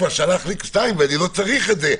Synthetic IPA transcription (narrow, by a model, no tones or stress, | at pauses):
vaʁʃalaχlikst̪ajmveanilot͡saʁiχetze